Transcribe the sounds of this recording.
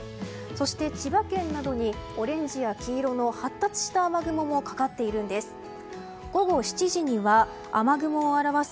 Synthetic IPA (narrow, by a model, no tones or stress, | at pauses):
so̞ɕi̥t̪e̞t͡ɕibakẽ̞nːad̪o̞ɲ̟ioɾẽ̞ɲ̟d͡ʑijakʲiːɾo̞no̞hat̪ːat͡sɨ̥ɕi̥t̪aːmaɡɯ̟mo̞mo̞kḁkat̪ːe̞iɾɯ̟̃nd̪e̞sɨ̥ | ɡ̥o̞ɡo̞ɕi̥t͡ɕiʑiɲ̟iβaː | maɡɯ̟mo̞ːaɾaβas